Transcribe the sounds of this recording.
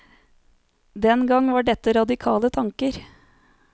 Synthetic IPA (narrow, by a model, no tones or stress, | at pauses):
d̪ɛnɡɑŋʋɑːɖɛt̪ːəɾɑd̪ɪkʰɑːlət̪ʰɑŋkəɾ